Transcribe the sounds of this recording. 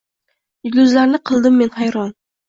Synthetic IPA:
jɪɡʲlʲʊzlaɾnɪqʰɨlˠd̪ɪmːe̞nhajɾɒn

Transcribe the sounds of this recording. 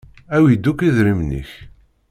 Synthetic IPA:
æwjid̪ːukːiðɾimnḭç

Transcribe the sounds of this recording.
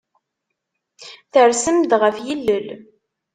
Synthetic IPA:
θəɾsəmd̪ʁəfjilːəl

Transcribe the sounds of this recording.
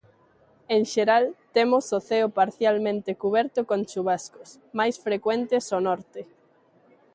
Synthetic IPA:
eŋʃeɾalt̪emʊsoθɛʊpaɾθjalmẽnt̪ekuβ̞ɛɾt̪okõnt͡ʃuβ̞askos | majsfɾekwent̪esonɔɾt̪e

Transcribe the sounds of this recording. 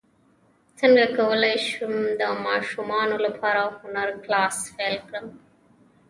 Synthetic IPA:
t̪ʰɐnɡɐkɐʋɐleʃumd̪ɐmaːʃumaːnulɐpʰaːɾahunɐɾklaːsfeːlkɾɐm

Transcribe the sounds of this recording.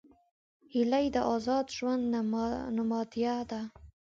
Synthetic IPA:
hilajd̪aʔɒzɑd̪ʒwand̪namɑd̪ijad̪a

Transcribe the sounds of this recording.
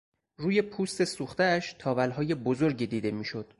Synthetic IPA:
ruːje̞pʰuːst̪e̞suːxt̪eæʃt̪ʰɒːvælɦɒːje̞bozo̞ɾɟiːd̪iːd̪e̞miːʃo̞d̪̥

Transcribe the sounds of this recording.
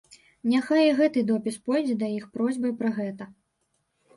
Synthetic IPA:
nʲaxajɣɛt̪ɨd̪ɔpʲispɔjd͡zʲɛd̪ɐjixpɾɔzʲbɐjpɾɐɣɛt̪ɐ

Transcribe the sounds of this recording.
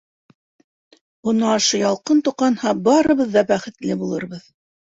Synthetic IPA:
bŭnɑːʃɤjɑlˠqɤnt̪uqːɑnhɑbɑɾɤ̆βɤðːɑbæχɘ̆t̪lɘbulˠɤ̆ɾbɤð

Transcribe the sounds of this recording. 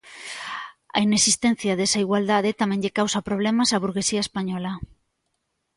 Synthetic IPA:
ɐ̰inesist̪en̟θjaðesaiɣwald̪aðet̪amɛ̃ɲʎekawsɐpɾoβlemasaβuɾɣesiɐespaɲɔlɐ

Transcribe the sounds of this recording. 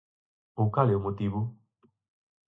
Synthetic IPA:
owkalɛomot̪iβʊ

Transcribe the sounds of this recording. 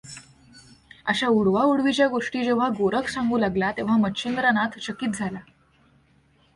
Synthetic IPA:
ə̰ɕauɽʋauɽʋit͡ɕjaɡoʂʈiːd͡ʑeʋ̤aɡoɾəksãŋɡuːlaɡlat̪eʋ̤amətːɕind̪ɾanat̪ɕəkiːt̪̚d͡zʱala

